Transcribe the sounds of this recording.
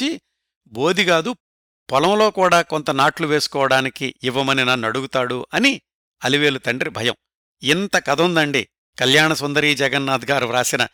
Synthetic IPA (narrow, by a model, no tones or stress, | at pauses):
i | bo̞ːd̪iɡaːd̪u | pɐlɐmlo̞ːkuːɽaːkont̪ɐnaːʈluʋe̞ːsu̥kɔːʋɐɽaːnikiːʋːɐmɐninɐnːɐɽuɡut̪aːɽuʔɐni | ɐliʋe̞ːlut̪ɐɳɖɾibʱɐjɐm | int̪ɐkɐd̪ɐnd̪ɐɳɖi | kɐljaːɳɐsɔnd̪ɐɾiːd͡ʒɛɡɐnːaːd̪ʱɡaːɾuɾaːsinɐ